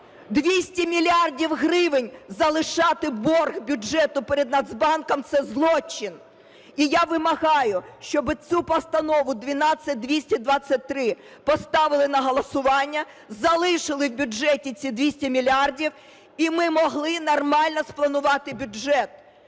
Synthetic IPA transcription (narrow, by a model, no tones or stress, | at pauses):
d̪ʋʲisʲtʲimʲilʲɑrdʲiwɦrɪʋɪnʲzɐlˠɪʃɑt̪ɪbɔrɣbʲuɛt̪ʊpeɾed̪nɐd̪zbɑnkɔmt̪sɛzlˠɔt͡ʃːɪn | ijaʋɪmɐɦɑjʊʃt͡ʃɔbɪt͡sʲupɔst̪ɐnɔʋʊd̪ʋʲinɑt͡sʲːɐt̚ʲd̪ʋʲisʲtʲid̪ʋɑt͡sʲːɐt̚ʲt̪ɾɪ | pɔst̪ɑʋɪlˠɪnɐɦɔlˠɔsʊʋɑnʲːɐ | zɐlˠɪʃɪlˠɪwbʲʊd͡ʒɛtʲit͡sʲid̪ʋʲisʲtʲimʲilʲɑrdʲiw | imɪmɔɦlˠɪnɔrmɑlʲnɔsplˠɐnʊʋɑt̪ɪbʲʊɛt̪̚